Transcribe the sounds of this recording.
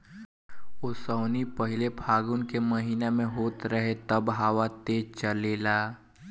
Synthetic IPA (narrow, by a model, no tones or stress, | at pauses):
osəːnipəɦɪlebʰʱaːɡʊnkeməɦiːnamẽɦoːt̪ɾəɦet̪əbɦaːʋat̪eːt͡ʃəleːlaː